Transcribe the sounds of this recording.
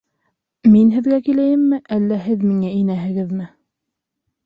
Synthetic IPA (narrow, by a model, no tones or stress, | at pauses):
minɦɘ̆ðɡækilæjɘmːɘʔælːæɦɘðmiŋæinæɦɘ̆ɡɘðmɘ